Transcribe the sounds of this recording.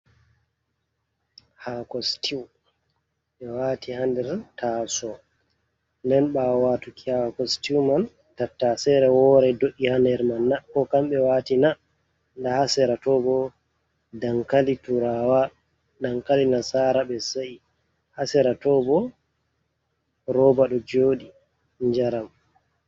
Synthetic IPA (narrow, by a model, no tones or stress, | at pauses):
hakɔstiw | ɓɛwaːtihandɛɾtasɔ | ndɛnɓawatukiakɔstiwman | tatːasɛɾɛwɔɾɛdoʔihandɛɾmanːakɔkamɓɛwaːtina | ndahasɛɾatɔbɔ | daŋkalituɾawa | ɗaŋkalinasaːɾaɓɛsaʔi | hasɛɾatɔbɔ | ɾɔbaɗɔd͡ʒoːɗi | ɲd͡ʒaɾam